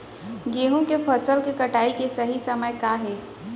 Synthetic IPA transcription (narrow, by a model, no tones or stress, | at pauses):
ɡeːɦõkepʰɐsəlkekɐʈaːikesɐɦisɐməjkaɦɛː